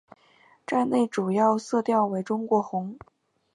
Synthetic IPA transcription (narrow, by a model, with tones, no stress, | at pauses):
ʈ͡ʂa˥˧ɪne˥˩ɪʈ͡ʂu˨˩jɑ˥˧ʊsɤ˥˧t̪jɑ˥˩ʊwe˧˥ɪʈ͡ʂʊ˥ŋkwɔ˧˥xʊ˧˥ŋ